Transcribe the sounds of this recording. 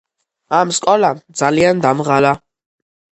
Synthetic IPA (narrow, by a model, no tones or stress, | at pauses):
amskʼɔlad̪zaliand̪amʁala